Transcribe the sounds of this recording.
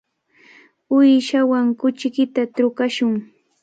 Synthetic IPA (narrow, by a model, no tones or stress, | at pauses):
ʊjʃawaŋkʊt͡ʃɪkɪt̪at̪ɾʊkaʃʊŋ